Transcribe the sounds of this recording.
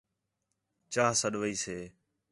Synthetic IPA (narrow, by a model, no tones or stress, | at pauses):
t͡ʃaːɦsəɗʋəiːseː